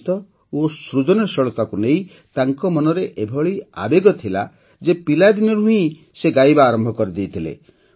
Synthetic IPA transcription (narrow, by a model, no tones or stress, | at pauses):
t̪ɔ | osɾud͡ʒɔnɔɾsɔɭɔt̪akunej | t̪aŋkɔmɔnɔɾeʔebʱɔɭia̰beɡɔt̪ʰila | d͡ʒepilad̪inɔɾuɦũĩ | seɡajbaːɾɔmbʱɔkɔɾid̪ejt̪ʰilḛ